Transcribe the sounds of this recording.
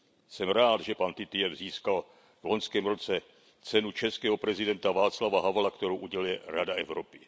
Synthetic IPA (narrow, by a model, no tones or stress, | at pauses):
sɛmɾaːd̪ʒɛpant̪ɪt̪ɪɛɾziːskal | vlo̞nskɛːmɾo̞t͡sɛ | t͡sɛnut͡ʃɛskɛːɦo̞pɾɛzɪdɛnt̪avaːt͡slavaɦavlakt̪ɛɾowʔuɟɛlɪɾadaɛvɾopɪ